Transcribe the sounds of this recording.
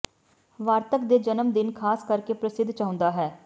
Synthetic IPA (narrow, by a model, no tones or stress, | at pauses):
ʋaːɾt̪əkd̪eːd͡ʒənəmd̪ɪnkʰaːskəɾkeːpɾəsɪd̪ʱt͡ʃaːɦʊ̃nd̪aːɦɛː